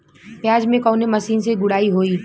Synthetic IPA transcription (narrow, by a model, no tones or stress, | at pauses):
pjaːd͡ʒmẽkɔːnemɐsiːnseɡʊɽaːiɦoːiː